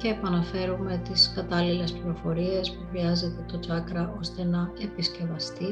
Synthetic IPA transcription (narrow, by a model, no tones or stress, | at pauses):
ce̞ːpɐnɐfe̞ɾume̞t̪iskɐt̪ɐlile̞spliɾo̞fo̞ɾie̞spuxɾiɐze̞t̪e̞t̪o̞t͡sɐkɾɐʔo̞st̪e̞nɐe̞pisce̞vɐst̪i